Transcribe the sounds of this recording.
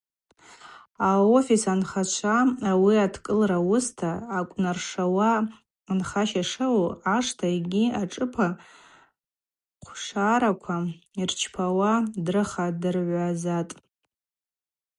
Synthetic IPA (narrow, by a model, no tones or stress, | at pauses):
aofisanχat͡ʃʷʰaawiatʰkʼɨlrawʊstʰaːkʷʼnarʂawaː | nχaʃaʂawoaʂtʰaeɡʲiaʈ͡ʂʼɨpʰa | qʷʰʂaːɾakʷʰairt͡ʃʰpʰawadrɨχadɨrʕʷazatʼ